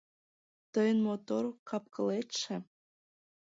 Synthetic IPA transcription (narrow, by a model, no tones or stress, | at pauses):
t̪əjənmot̪oɾokɑp̚kɤlet̪ʃĕ